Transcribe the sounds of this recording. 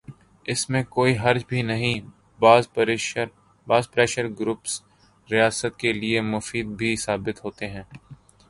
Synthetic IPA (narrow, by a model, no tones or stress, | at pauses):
ɪsmẽkoːiɦɐɾd͡ʒbʱinɐɦĩ | bːzɾɾ | baːzpɾɛːʃəɾɡɾʊps | ɾijaːsət̪̚keliemʊfiːd̪̚bʱisaːbɪt̪ɦoːt̪eɦɛ̃ː